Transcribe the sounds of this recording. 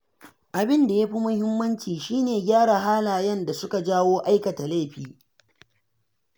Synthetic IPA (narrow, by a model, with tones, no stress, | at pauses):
ʔa˨bɪ˦nda˨ja˦ɸi˦mʊ˦hɪ˦mːɐ˦nt͡ʃiː˨ʃiː˦neː˨ɡʲaː˦ɽa˨ɦaː˦laː˨jɐ˦nda˨sʊ˦ka˨d͡ʒaː˦woː˦ʔa˦jkɐ˨ta˨la˦˨ɸiː˨